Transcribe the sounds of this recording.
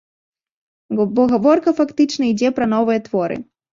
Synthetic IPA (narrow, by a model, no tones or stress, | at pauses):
bɔɣavɔrkɐfakt̪ɨt͡ʂnɐid͡zʲɛpɾɐn̪ɔvɨjɐt̪vɔɾɨ̰